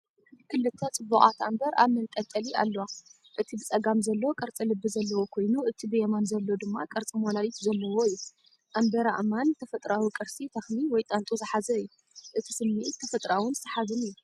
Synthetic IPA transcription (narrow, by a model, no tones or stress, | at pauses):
kʰɨlːɨt̪ʰːɐt͡sʼɨbːuχʼa̰t̪ambɐɾa̰mɐnkʼɐt̪ʼɐlia̰lːɐwa | ʔɨt̪ʰibɨt͡sʼɐɡamzɐlːɐwokʼɐɾt͡sʼilɨbːɨzɐlːɐwo̞kʰo̞jnuʔɨt̪ʰibɨjɛmanzɐlːo̞d̪ɨmːakʼɐɾt͡sʼimolawit̪zɐlːɐwo̞ɨjːu | ʔambɐɾa̰ʔmant̪ʰɐfɐt̪ʼɾawikʼɨɾsit̪ʰɐxniwɔjt̪ʼɐnt̪ʼuzɨħazɐɨjːu | ʔɨt̪ʰi̥sɨmːe̞t̪ʰːɐfɐt̪ʼɾawɨnzɨsʰɐħazɨnɨjːu